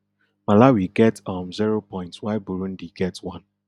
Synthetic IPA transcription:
malawiɡɛtɔ̃mziɹopɔ̃ɪ̃ntswaɪbuɹũndiɡɛtwɔ̃n

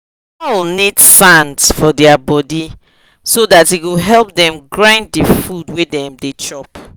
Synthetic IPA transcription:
ɔlnidsãndsfɔdɛabɔdi | sodatiɡoɦɛlp̚dɛ̃mɡɹãɪ̃ndifudwedɛ̃mdet͡ʃɔp

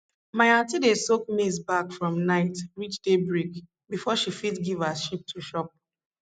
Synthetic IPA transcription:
maɪãntidesok̚mizbakfɹɔ̃mnaɪtɹit͡ʃdebɹik | bifɔʃifitɡivaʃip̚tʰuʃɔp̚

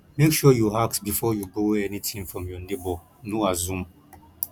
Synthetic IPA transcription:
mekʃuɔjuɦaksbifɔjuboɛnitʰĩnfɹɔ̃mjɔnebɔ | noazũm

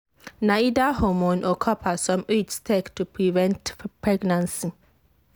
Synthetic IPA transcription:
naid̪ahɔmuːnʔɔkʰɔpʰasɔmʉːt̪st̪ʰɛkt̪ʰːɪpʰɾivɛ̃ntpʰɹɛɡnãnsn

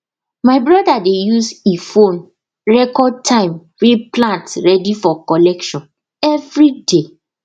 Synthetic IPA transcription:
maɪbɹɔdadejusefõn | ɹɛkɔd̚tʰãɪ̃m | weplãntɹɛdifɔkɔlɛkʃɔ̃n | ɛvɹide

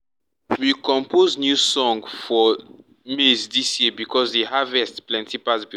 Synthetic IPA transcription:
wikɔ̃mpʰoznjusɔ̃ŋɡfɔ | misdisjibikʰɔzdeɦavɛstplɛ̃ntipasbi

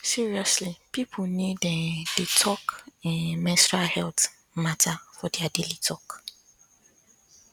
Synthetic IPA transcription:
siɹiɔslipʰipʰonĩdɛ̃d̥etʰɔkɛ̃nmɛ̃nsɹalhɛlt | matʰafɔdeadelitʰɔk

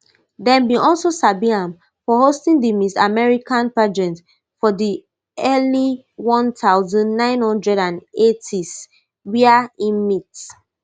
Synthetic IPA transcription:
dɛ̃nbiʔɔlsosabiãm | fɔɦostĩŋdimisa̰mɛɹikãnpad͡ʒɛ̃nt | fɔdi | ɛli | wɔ̃ntaʊzɔ̃nːãɪ̃nhɔ̃ndɹɛdãnetʰis | wiaĩnmit

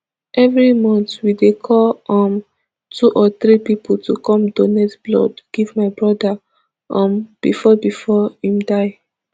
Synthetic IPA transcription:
ʔɛvɹimɔ̃ntwidekʰɔlɔ̃m | tʰuʔɔθɹipipʰɔltukɔ̃mdonɛtblɔ̰dɡ̥ivmaɪbɹɔda | ɔ̃mb̥ifɔbifɔhĩmdaɪ

